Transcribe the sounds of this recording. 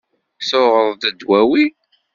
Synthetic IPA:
θʊʁəðˤd̪əd̪wæwi

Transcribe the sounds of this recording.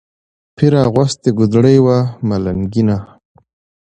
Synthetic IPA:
pʰiɾaɣwast̪eɡʊd̪ɽəjwamalaŋɡina

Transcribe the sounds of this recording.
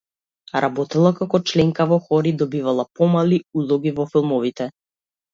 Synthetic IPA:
ɾʔabɔt̪ɛlˠakakɔt͡ʃlɛŋkavɔxɔɾid̪ɔbivalˠapɔmaliulˠɔɡivɔfilˠmɔvit̪ɛ

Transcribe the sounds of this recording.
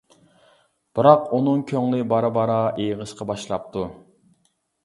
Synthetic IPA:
b̥ɨɾɑqunɨŋkʲʰøŋlˠɪbɑɾɨbɑɾɑejʁəʃqɑbɑʃlˠɑp̚t̪ʰu

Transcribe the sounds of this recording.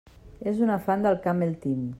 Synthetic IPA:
ezunafand̪əlˠkamelt̪im

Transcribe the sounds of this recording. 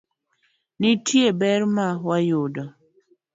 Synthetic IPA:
nɪtʰjebɛɾmawajʊdɔ

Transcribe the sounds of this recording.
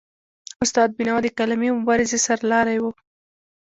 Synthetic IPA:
ʊst̪ɑd̪̚bɪnɑd̪əkalamimʊbɑɾɪzesaɾlɑɾajwu

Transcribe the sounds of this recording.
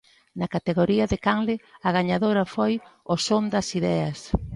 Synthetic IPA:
nɐkat̪eɣoɾiɐðɪkaŋlɪɐɣaɲaðoɾɐfojosond̪ɐsiðɛɐs

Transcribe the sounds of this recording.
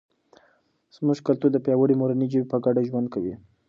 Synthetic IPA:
z̥muʒkalt̪uɾd̪əpjɑwəɽimoɾanid͡ʒəbipəɡaɖaʒwand̪̚kawḭ

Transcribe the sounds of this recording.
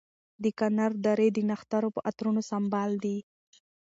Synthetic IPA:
d̪əkanaɾd̪aɾed̪ənaxt̪aɾopəʔat̪ɾunosambɑld̪i

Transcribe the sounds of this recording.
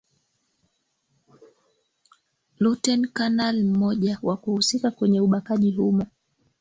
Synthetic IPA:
lutɛnkanalm̩mɔʄawakuhusikakwɛɲɛuɓakaʄihuma

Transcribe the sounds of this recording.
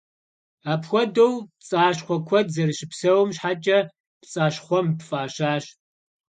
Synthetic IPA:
aːpxʷɔdowt͡sʼaːɕχʷɔkʷʰɔdzɐrɨɕɪpsɐwmɕħaːt͡ʃʼɐ | pt͡sʼaːɕχʷɔmpfʼaːɕaːɕ

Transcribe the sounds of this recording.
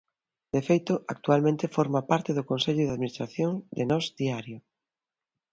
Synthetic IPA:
d̪̥efejt̪ʊʔak̚t̪ualmẽnt̪ɪfɔɾmapaɾt̪eðʊkõnseʎʊðaðminist̪ɾaθjoŋd̪enɔzd̪iaɾjʊ

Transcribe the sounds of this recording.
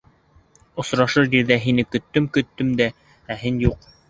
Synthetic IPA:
ŏsɾɑʃɤɾjiɾðæɦinɘkɵ̆t̪ːɵmkɵ̆t̪ːɵmd̪æ | æɦinjuq̚

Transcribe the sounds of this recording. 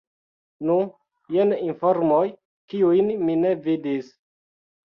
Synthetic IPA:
nu | jeninfoɾmoj | kiujnmine̞vidis

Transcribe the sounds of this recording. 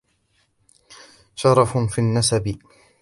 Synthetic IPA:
ʃɑɾˤɑffiːnːasabɪ

